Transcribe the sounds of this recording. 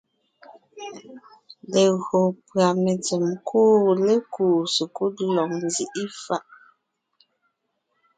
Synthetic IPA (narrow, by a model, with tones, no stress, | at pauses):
le˨ɣo˨pɰa˨me˨ti˨mkʰuː˦le˦kuː˨su˨ku˦˨lɔ˨ŋnzi˦˨ʔi˦fa˦ʔ